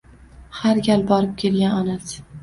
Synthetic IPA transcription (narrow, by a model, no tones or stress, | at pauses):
haɾɡʲalbɒɾɪp̚kʲʰe̞lɡʲananas